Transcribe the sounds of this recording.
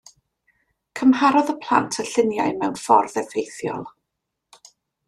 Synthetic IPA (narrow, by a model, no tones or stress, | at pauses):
kʰəmhaɾɔðəpʰl̥ˠa̰ntʰəɬɪnjajmɛwnfɔ̰rðɛvejθjɔ̰lˠ